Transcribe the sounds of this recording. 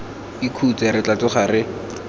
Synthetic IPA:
ikʰut͡sɛɾɪt͡ɬat͡ɬʊχarɪ

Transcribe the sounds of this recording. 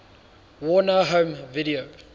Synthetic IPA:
wɔnəɦõmviɾio

